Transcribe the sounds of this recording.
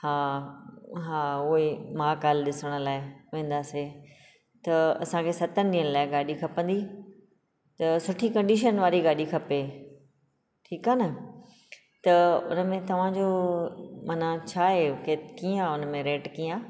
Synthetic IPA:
hãː | ɦãːʊɦemãːkaːlɗɪsəɽ̃̆laːɪʋẽːnd̪aːse | t̪ɐɐ̰sãkʰesɐt̪ənɪɗ̪iːənlaːɪɡaːɗikʰɐpə̃nd̪i | t̪ɐsʊʈʰikɐ̃ɳɖiːʃənʋaːɾiɡaːɗikʰɐpe | ʈʰiːkaːnɪ | t̪ɐʊ̰nəmẽt̪ɐʋ̤ãd͡ʑo | mɐnãt͡ɕʰaːɦekekiãʊnmẽɾeːʈkiːãː

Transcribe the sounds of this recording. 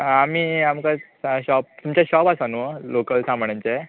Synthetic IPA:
amiːamka | ɕɔp̚t̪umt͡ɕaɕɔpasanulokəlsãmbɳjãnt͡sa

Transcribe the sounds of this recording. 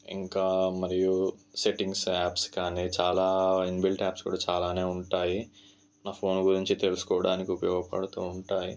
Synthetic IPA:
ḭŋkaːmɐɾijuseʈiŋɡsaːpskaːniːt͡ʃaːlaːinbilʈaːpskṵːɽaːt͡ʃaːlaːne̞ːuɳʈaːji | naːpʰo̞ːnɡuɾiɲt͡ʃit̪e̞lusu̥kɔːʋɐɽaːnikiupɐjɔːɡɐpɐ̰ɽɐt̪oːuɳʈaːji

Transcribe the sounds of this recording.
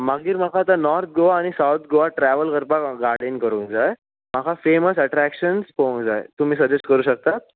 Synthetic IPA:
maɡiːɾm̤akʰaːt̪anɔɾt̪̚ʰɡoʋaːɽ̃isawt̪̚ʰɡoʋaʈɾæʋəlkəɾpaɡaɾɽenkəɾũːŋd͡zae | makʰafeməsəʈɾækɕənspõŋd͡zaḛt̪um̤iːsəd͡ʑesʈkəɾuːɕək̚t̪at̪̚

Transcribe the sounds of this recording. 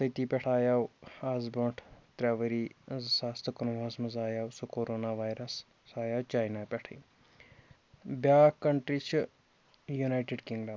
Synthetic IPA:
sɐjt̪iːpɛʈʰaːjaːwaːzbõɳʈʰt̪ɾaːʋɐɾiːzsaːst̪ʰkɐnʋaːzmɐzaːjaːwsukoːɾoːnaːʋaːjɾɐs | saːjaːwt͡ʃaːjnaːpʲɛʈʰḭː | bʲjaːkɐɳʈɾiːt͡ʃʰ | junaːjʈeɖkiŋɡɖam

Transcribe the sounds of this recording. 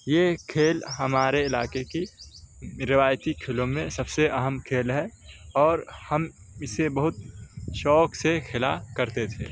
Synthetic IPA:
jekʰeːlɦɐmaːɾeɪlaːkeki | ɾɪʋaːjt̪ikʰɪlõmẽsɐbseʔɐɦəmkʰeːlɦɛɔːɾhɐm | ɪsebɐɦʊt̪ʃɔːksexʰɪla̰kɐɾt̪et̪ʰḛː

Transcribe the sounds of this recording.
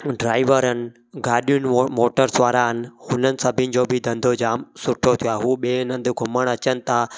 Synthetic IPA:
ɖɾaːɪʋəɾən̆ | ɡaːɗijʊnmoːʈəɾsʋaːɾaːnhʊnənɪ̆səbʱɪ̃nd͡ʒoːbʱid̪ə̃nd̪ʱoːd͡ʒaːmsʊʈʰot̪ʰijaːɦuːɓeːnə̃nd̪ɡʱʊməɽ̃ət͡ʃənɪt̪ʰaː

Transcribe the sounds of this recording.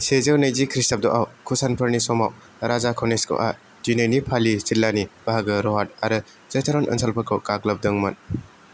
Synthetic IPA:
sezɯwnɐjzikʰɾistɐb̚dɔʔawkʰusanpʰɐɾnisɔmaw | ɾazakʰɔneskʰo̰ʔa̰ | dinejnipʰalisilːanib̥aɦaɡɯɾɔɦat̚aɾɯ | z̥etʰeɾɔnʔɐ̰nsʰalpʰɐkʰɔwkaɡlɐb̚dɐŋmɐn

